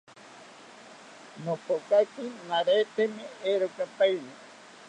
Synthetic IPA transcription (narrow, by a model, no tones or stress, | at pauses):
nõpokak̪inãɾet̪emẽeɾokapaine